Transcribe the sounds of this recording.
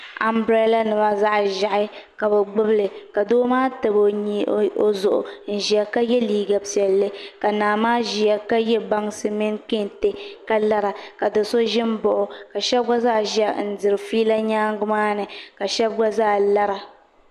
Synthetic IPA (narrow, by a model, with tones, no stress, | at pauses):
a˨mbɾe˦la˦nɨ˨ba˦za˦ʔʒa˨ʔɪ˦ka˨bɛ˨ɡ͡bʊ˦blɨ˨ka˨doː˦maː˦tɨ˨bo˨ɲi˦o˦zʊ˨ʔʊ̰˨n̩˨ʒi˨ɛ˨ka˦jɛ˦liː˦ɡa˨pɛ˨lːɨ˦ka˨naː˨maː˦ʒi˨a˨ka˦jɛ˦ba˦ŋsɨ˦mɪ˦nkɪ˦nte˦ka˦la˦ɾa˨ka˨dɨ˨so˦ʒɪ˦m˦bʊ˨ʔʊ˨ka˨ʃɛ˦b̚ɡa˦za˦˨ʒɛ˦n̩˨dɨ˨ɾɨ˨fiː˦la˦ɲaː˦ŋ˦ɡʊ˦maː˦nɨ˨ka˨ʃɛ˦b̚ɡa˦zaː˦˨la˦ɾa˨